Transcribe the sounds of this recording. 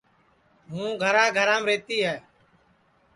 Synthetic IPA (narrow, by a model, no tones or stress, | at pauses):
ɦũːɡʱəɾãːɡʱəɾaːmɾeːt̪iːɦɛː